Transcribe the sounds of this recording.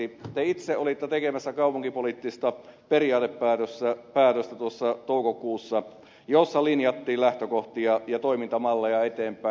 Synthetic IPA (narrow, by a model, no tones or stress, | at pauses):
it̪eit̪seʔʔolit̪ːet̪ekemæsːækɑˑupuŋkipolit̪ːist̪ɑperiɑːt̪epːæːt̪øst̪ːæpæːt̪øst̪æt̪uosːɑt̪oukokuːsːɑ | josːɑlinjɑt̪ːiːllæht̪økoht̪iɑjɑt̪oimint̪ɑmɑlːejɑet̪eːmpˑæ